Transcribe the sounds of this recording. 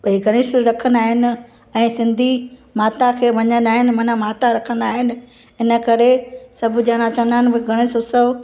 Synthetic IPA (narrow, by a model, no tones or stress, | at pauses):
ɓɐɦiɡʱɐɽ̃ɪsɾɐkʰənaːɦɪnɪ̆ | ɛ̃ːsɪ̃nd̪ʱimaːt̪akʰeːʋɐɲənaːɦɪnɪ̆mɐnamaːt̪aɾɐkʰənaːɦɪnɪ̆ | ɪnə̆kɐɾesɐbʱʊd͡ʑãːɽ̃ãt͡ɕɐ̃nd̪aːnbɪɡʱɐɽ̃ɪsʊsə